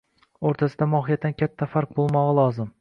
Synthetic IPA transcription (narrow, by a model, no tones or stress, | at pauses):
oɾt̪ʰasɪd̪amɒɦijat̪ːankʲʰat̪ʰːafaɾq̚bolˠmɒʁɑlˠɒzɪm